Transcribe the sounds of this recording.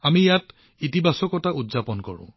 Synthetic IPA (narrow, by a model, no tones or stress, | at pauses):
amijat | itibʱasɔkɔtaʔudzapɔnkɔ̰ɹʊ̰̃